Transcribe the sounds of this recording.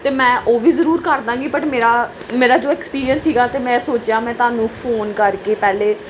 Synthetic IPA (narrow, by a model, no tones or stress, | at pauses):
t̪eːmɛ̃ːʔoːʋiːzəɾuːɾkəɾd̪ãːɡiːpəʈmeːɾaː | meːɾaːd͡ʒoːɛːkspiːɾijənssiːɡaːt̪eːmɛ̃ːsoːt͡ʃjãːmɛ̃ːt̪ʊãːnũːpʰoːnkəɾkeːpɛːleː